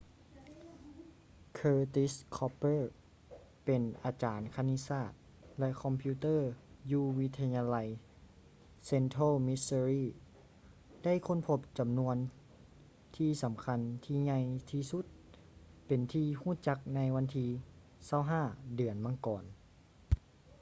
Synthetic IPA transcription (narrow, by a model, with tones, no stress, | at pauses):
kʰɤː˧t̪i˦˥skʰɔ˧pːɤː˥˩ | pe˨nʔaː˨˧t͡ɕaː˨˩nkʰa˧ni˧˥saː˧˩t̪̚ | lɛ˧ʔkʰɔ˧mpʰiː˧t̪ɤː˥˨juː˧wi˧˥t̪ʰːa˧ɲaː˧la˧j | se˧nt̪ʰo˥˨mi˧˥sə˧ɾiː˧˩ | da˥˨jkʰo˧˥˨npʰo˧p̚t͡ɕa˨mnu˧ən | t̪ʰiː˧sa˨˦mkʰa˧˥nt̪ʰiː˧˩ɲa˧jt̪ʰiː˧su˧˦˥t̪̚ | pe˨nt̪ʰiː˧huː˥˨t͡ɕa˧˥k̚na˧˥jwa˧˥nt̪ʰiː˧ | sa˧˩˨wɦaː˧˥˩dɯ˨˩ənmaː˧˥˨ŋkɔː˨˩n